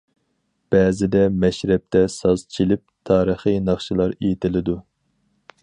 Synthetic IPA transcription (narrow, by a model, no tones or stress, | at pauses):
b̥ɛːzɪd̪ɛmɛʃɾɛp̚t̪ʰɛsɑz̥t͡ʃʰilɪp̚t̪ʰɑːɾəχɨnɑχʃɨlˠɑɾejit̪ʰɪlɪd̪u